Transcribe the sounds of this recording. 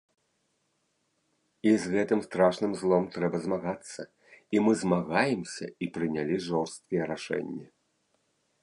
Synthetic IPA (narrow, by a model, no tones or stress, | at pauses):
izɣɛt̪ɨmst̪ɾaʂnɨmzlˠɔmt̪ɾɛbɐzmaɣat̪sːɐ | imɨzmaɣajɛmsʲɐ̰ipɾɨnʲalʲiʐɔwst̪̚kʲɐjɛɾaʂɛ̰nʲːɛ